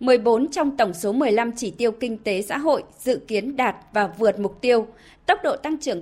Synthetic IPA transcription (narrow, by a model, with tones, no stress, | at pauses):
mɨ˨˩əjɓo˨˦nt͡ɕɔ˧wŋ͡mt̪ə˧˩wŋ͡mso˨˦mɨ˨˩əjla˧mt͡ɕi˧˩t̪i˧əwkï˧ŋ̟t̪e˨˦sa̰ː˧˥ɦo̰˧˨jz̥ɨ̰˧˨ki˨˦ənɗaː˨˩t̚vaː˨˩vɨ˨˩ət̚mʊ˨˩k͡p̚t̪i˧əw | t̪ə˦˥wk͡p̚ɗo̰˧˨t̪a˧ŋt͡ɕɨ˨˧˩ə